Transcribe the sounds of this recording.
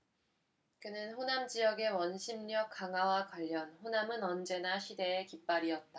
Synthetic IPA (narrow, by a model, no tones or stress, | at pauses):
kɯnɯnɸonamd͡ʑijʌɡe̞wʌnɕʰimɲʌk͈aŋawakwaʎːʌnɸonamɯnʌnd͡ʑe̞naɕʰide̞ːkip͈aɾiʌt̚t͈a